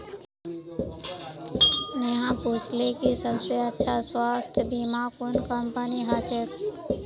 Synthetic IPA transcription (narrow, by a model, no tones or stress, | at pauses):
neɦãput͡ʃʰlekisəbseətːʃʰaswaːst̪ʰbimakonkəmpəniɦat͡ʃʰek